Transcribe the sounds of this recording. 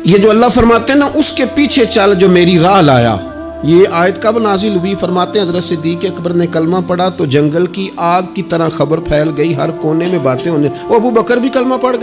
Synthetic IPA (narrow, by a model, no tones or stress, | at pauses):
jed͡ʒoːɐlːafəɾmaːt̪eɦɛ̃naʔʊskepiːt͡ʃʰet͡ʃəld͡ʒoːmeːɾiɾaːla̰ːja̰ː | jeːaːjət̪kabnaːzɪlɦʊifəɾmaːt̪eɦɛ̃ɦɐzɾət̪sɪd̪iːkeɐkbəɾnekəlmapəɽat̪oːd͡ʒɐ̃ŋɡəlkiʔaːɡ̪̚kit̪əɾãxɐbəɾpʰɛːlɡəiɦɐɾkoːnemẽbaːt̪ẽɦoːneoːɐbubəkəɾbʱikəlmapɐɽɡə